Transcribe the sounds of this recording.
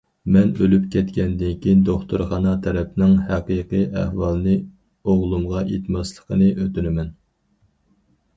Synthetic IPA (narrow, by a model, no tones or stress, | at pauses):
mɛnølypkʲʰɛt̪kʲɛnd̪ɪnkʲʰind̪oχt̪uɾχɑnɑt̪ʰɛɾɛpnɪŋhæqəjqijʔæ̰hwɑlˠɨnɨ | oʁlˠumʁɑjet̪mɑslˠə̥qʰənɨʔøt̪ynɪmɛn